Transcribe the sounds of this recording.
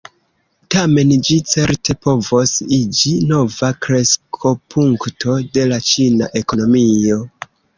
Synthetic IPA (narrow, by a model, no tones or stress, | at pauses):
tame̞nd͡ʒit͡se̞ɾte̞po̞vo̞sid͡ʒino̞vakɾe̞skʰo̞pʰuŋktʰo̞de̞lat͡ʃina̰ʔe̞ko̞no̞mio̞